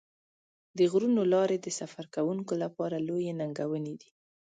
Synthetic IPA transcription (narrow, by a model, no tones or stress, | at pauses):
d̪əɣɾunolɑɾed̪əsafaɾkawuŋkolapɑɾalojenaŋɡawəned̪i̥